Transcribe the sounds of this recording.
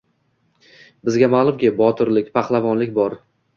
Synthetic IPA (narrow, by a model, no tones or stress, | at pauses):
bɪzɡʲamalˠʊmɡʲɪbɒt̪ʰʊɾlɪkʲpʰaχlˠavɒnlɪk̚ʲbɒɾ